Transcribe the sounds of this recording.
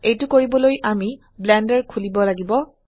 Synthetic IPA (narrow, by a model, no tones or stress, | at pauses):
ejtʊkoɹibɔlojʔami | blɛndɛɹkʰulibɔlaɡibɔ